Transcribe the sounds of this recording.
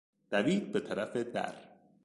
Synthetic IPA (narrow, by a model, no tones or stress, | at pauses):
d̪̥æviːd̪̚bet̪ʰæɾæfed̪æ̰ɾ